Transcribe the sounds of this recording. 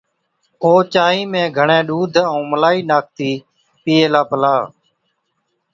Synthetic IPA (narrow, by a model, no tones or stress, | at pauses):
oːt͡ʃaːĩːmẽːɡʱəɳẽːɗuːd̪ʱũːməlaːiːnaːk̚ʰt̪iː | piːeːlaːpəlaː